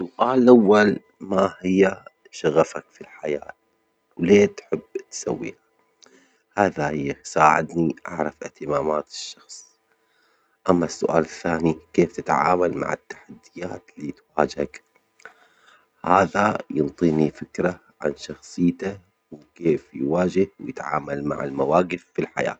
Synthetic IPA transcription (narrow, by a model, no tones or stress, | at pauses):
sʊʔaːllʔawːal | mahɪjːa | ʃaɣafakfilħajaːt̪̚ | wleːt̪ħɪbːt̪sa̰wːḭːha | haːðahɪjːasaːʕɪ̰d̪niʔa̰ʕɾˤɑfɪht̪ɪmaːmaːt̪ɪ̥ʃːɑxsˤ | ʔamːasːʊʔa̰ːlɪθːaːnikeːft̪ɪt̪ʕa̰ːmalma̰ʕɪ̰t̪ːḁħad̪ːɪjaːt̪liːt̪waːd͡ʒak | haːðajɨnt̪ˤiːnifɪkɾa | ʕa̰nʃɑxsˤɨjːt̪a | wkeːfjwaːd͡ʒɪhwjɪt̪ʕa̰ːmalma̰ʕɪ̰lmawaːɡɪfːilħa̰ja̰ːt̪